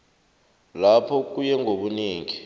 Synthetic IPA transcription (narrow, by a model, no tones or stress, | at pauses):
lapʰɔk̬ʼujɛŋʱoɓuniːŋi